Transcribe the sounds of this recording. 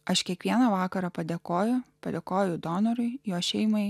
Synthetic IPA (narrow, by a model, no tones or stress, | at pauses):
ɐʃkʲiɛkʋʲiɛnɐʋɑːkɐɾɑpɐd̪ʲekoːjʊpɐd̪ʲeːkoːjʊd̪oːnɔɾʊɪjoːʃʲɛɪmɐɪ